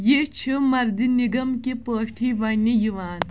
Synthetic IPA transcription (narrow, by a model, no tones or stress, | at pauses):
jeːt͡ʃʰimɐɾd̪iniɡɐmkepəːʈʰiʋɐnijuʋaːn